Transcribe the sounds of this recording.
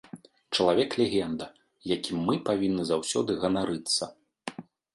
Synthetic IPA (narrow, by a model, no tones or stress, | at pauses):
t͡ʂɐlˠavʲɛklʲeɣʲɛnd̪ɐ | jakʲimːɨpavʲinːɨzawsʲɔd̪ɨɣɐnaɾʔɨt̪sːɐ